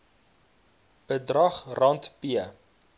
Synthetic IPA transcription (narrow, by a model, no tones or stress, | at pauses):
b̥ədrɐχrɐntpiə